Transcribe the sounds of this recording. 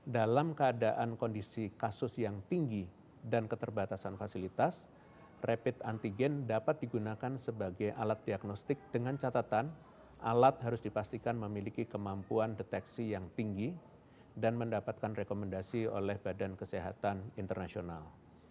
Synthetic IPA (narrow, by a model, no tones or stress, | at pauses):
dalamkəadaʔankondisikasʊsjaŋt̪iŋɡi | dankət̪ərbat̪asanfasilit̪as | rʔepɪt̪ant̪iɡɛndapat̪̚diɡunakansəbaɡajʔalat̪̚diaɡnɔst̪ɪk̚d̥əŋant͡ʃat̪at̪an | ʔalat̪̚ɦaɾʊsdipast̪ikanməmilikikəmampuandet̪ɛksijaŋt̪iŋɡi | danməndapat̪̚kanrekoməndasio̰lɛhbadankəseɦa̰t̪anint̪ərnasiona̰l